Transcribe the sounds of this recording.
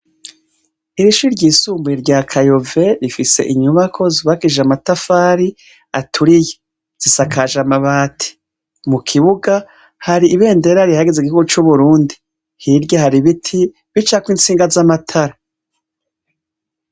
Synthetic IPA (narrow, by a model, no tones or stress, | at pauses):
iɾiʃuɾɟiːsuːmbuiɾɟaːkʰajo̞ve̞ɾifise̞̰ʔiɲuβakʰo̞ziβakiʒamatafaːɾi | atʰuɾije | z̥isakʰaʒamaβaːtʰi̥ | mukʰiβuɡa | haɾiːβe̞ːnde̞ɾaɾihaɡezeɡihuɡut͡ʃuβuɾuːndi | hiɾɟohaɾiβitʰi | βit͡ʃakwiːnt͡siːŋɡazamatʰaɾa